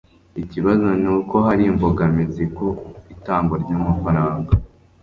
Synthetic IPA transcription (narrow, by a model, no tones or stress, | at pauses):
iciβazo̞nuːko̞ɦaɾiːmboɡamizikoitaːmɡoɾɟoːmufaɾaːŋɡa